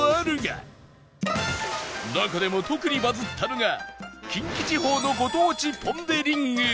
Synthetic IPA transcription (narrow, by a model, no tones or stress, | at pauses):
ɾɯŋa̰ | nakad̪emot̪ʰokɯ̟ɲʲibazɨt̪ʰːanoŋakʲʰiŋkʲit͡ɕiɦoːnoɡot̪oːt͡ɕipʰond̪eɾʲiŋːɯ